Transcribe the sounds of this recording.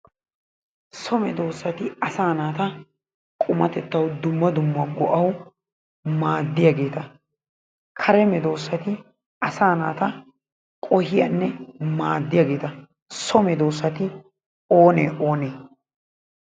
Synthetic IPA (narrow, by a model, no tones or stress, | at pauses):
sɔmɛd̪o̞ːsːɐt̪ɪɐsaːnaːt̪ɐ | kʼʊmɐt̪ɛt̪ːɐwd̪ʊmːɐd̪ʊmːɐɡɔʔɐw | maːd̪ːɪjaɡe̞ːt̪ɐ | kʰɐɾɛmɛd̪o̞ːsːɐt̪ɪ | ɐsaːnaːt̪ɐ | kʼɔhɪjɐnːɛmaːd̪ːɪjaːɡe̞ːt̪ɐ | sɔmɛd̪o̞ːsːɐt̪ɪ | oːnḛːʔo̞ːneː